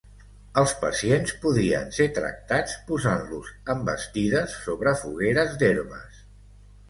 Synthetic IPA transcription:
əlˠspə̰sienspuðiə̰nset̪ɾə̰k̚t̪at͡spuzanluzəmbəst̪iðəsːoβɾəfuɣeɾəzd̪eɾmə̰s

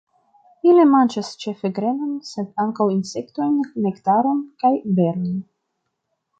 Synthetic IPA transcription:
ilemant͡ʃast͡ʃe̞feɡɾenonsed̪aŋkawinsekt̪o̞jnːektaɾo̞nkajbe̞ɾnon

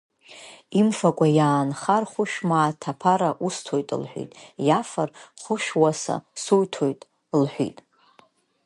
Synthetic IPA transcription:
imfakʷʼajaːnχarχʷʊʃᶣmaːtʰapʰaɾaʔustʰojtʼɨ̰lħʷᶣḭtʼjafarχʷʊʃᶣwasa̰sujtʰojtʼ | lħʷᶣḭtʼ

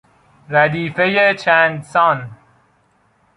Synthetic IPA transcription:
ɾæd̪iːfejet͡ʃʰæːnd̪sɒːn

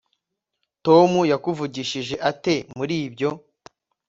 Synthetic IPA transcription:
to̞mujakuvuɟiʃiʒe̞ʔate̞muɾiːbɟo̞

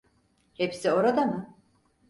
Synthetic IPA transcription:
hepsio̞ɾad̪amɯ

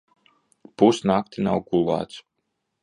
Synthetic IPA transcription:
pusnakt̪inawɡulˠa̰ːt̪s

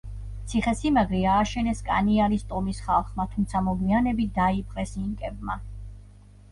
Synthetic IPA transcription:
t̪sʰiχɛsimaɡɾiaːʃɛnɛskʼa̰niaɾist̪ʼɔmisχalˠχmat̪ʰumt̪sʰamɔɡwianɛbid̪aipʼqʼɛsiŋkʼɛb̚ma

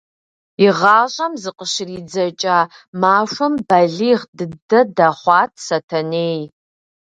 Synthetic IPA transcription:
iʁaːɕʼɐmzɨqʼəʃɪriːd͡zɐt͡ʃʼa | maːʂʷɐmbɐɮiʁdɨdɐdaχʷɑːtʼʰsɐtʰɐneːj

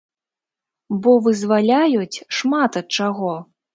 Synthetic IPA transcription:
bɔvɨzvalʲajut͡sʲʂmat̪ɐt̪̚t͡ʂaɣɔ

